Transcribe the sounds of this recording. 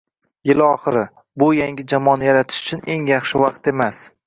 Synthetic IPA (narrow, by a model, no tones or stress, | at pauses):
jɪlɒχɨɾɪ | bʊjaŋʲɪd͡ʒamɒnɪjaɾat̪ʰɪ̥ʃʊ̥t͡ʃʰʊne̞ŋjɑχʃɪvɑqt̪e̞mas